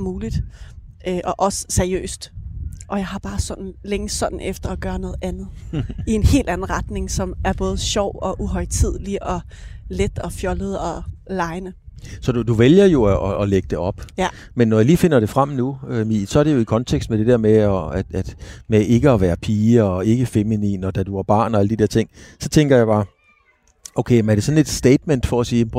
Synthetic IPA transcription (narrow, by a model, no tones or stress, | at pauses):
muːlid̥ | øʔɒ̽ʔɒ̽sə̥sæɐiø̰ːsd̥ʔɒ̽jɑ̈ɪhɑ̈b̥ɑ̈ːsɒ̽d̥n̩leŋəsɒ̽d̥n̩ʔefd̥ɐːɡ̥ɶːɐnɔ̽ːð̞̩ˠʔænð̞̩ˠie̝nhe̝̰ːld̥æn̩ˠʁɑ̈d̥ne̝ŋsɒ̽mæɐb̥ɔ̽ːð̞ˠɕɒʊ̰ɒ̽ʔuɦɒ̽ɪt͡sʰið̞̰ˠliʔɒ̽ | led̥ɒ̽fjɒ̽ləð̞̩ˠɒ̽lɑ̈ɪnəsɒ̽d̥ud̥uʋeljɐjo̝ʔɒʔːleɡ̥ə̥d̥e̝ʔɒ̽b̥ | menːɒjaliːfe̝n̰ɐɾ̥e̝fʁam̰nuømisɒ̽æɐɾ̥e̝jo̝ikʰɒ̽nt͡sʰeɡ̥sd̥med̥e̝d̥eɐ̰meɒ̥æd̥mee̝ɡ̥əɒʋæːɐpʰiːəɒe̝ɡ̥əfeminḭːnɒ̽d̥æd̥uɑb̥ɑ̰̈ːnɒ̽æləd̥id̥e̝ɐ̰t͡sʰe̝ŋ̰sɒ̽t͡sʰeŋɡ̥ɐjɑ̈ɪb̥ɑ̈ː | ʔoʊkʰeɪmæɐɾ̥e̝sɒ̽n̩e̝d̥sd̥eɪd̥men̰d̥fɒ̽æsiː